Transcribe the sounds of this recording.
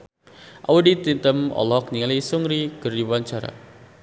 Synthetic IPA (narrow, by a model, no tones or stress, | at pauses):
ʔawədit̪int̪əmɔ̰lɔk̚niŋalisuŋɾiɡərdiwaɲt͡ʃaɾa̰